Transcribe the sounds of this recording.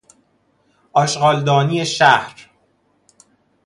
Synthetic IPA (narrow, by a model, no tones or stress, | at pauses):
ʔɒːʃɢɒːld̪ɒːniːeʃæhɾ